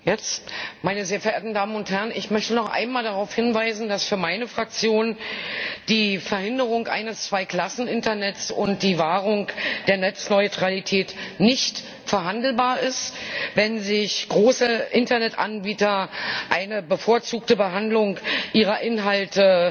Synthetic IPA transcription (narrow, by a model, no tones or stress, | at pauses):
jɛt͡stmaɪnəzeːɐfɛɐʔeːɐtn̩daːmənʊnthɛʁənɪçmœçtənɔχʔa̰ɪnmaːldaʁaʊfhɪnvaɪzn̩dasfyːɐmaɪnəfʁ̥ak̚t͡sjoːn | d̥iːfɛɐhɪndəʁ̞ʊŋʔa̰ɪnəst͡sv̥aɪkʰl̥asn̩ɪntɐnɛtt͡sʊnt̚d̥iːvaːʁ̞ʊŋd̥eːɐnɛt͡snɔʏtʁ̥alitʰɛːtnɪçt | fɛɐɦandl̩baːɐɪstvɛnzɪçɡ̥ʁoːsəʔɪntɐnɛtʔa̰nbiːtɐʔaɪnəbəfoːɐt͡suːk̚təbəɦandlʊŋʔiːʁɐʔɪnɦaltə